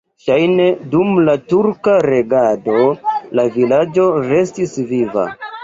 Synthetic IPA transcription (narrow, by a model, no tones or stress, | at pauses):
ʃajne̞dumlatuɾkaɾe̞ɡado̞lavilad͡ʒo̞ɾe̞stisviva̰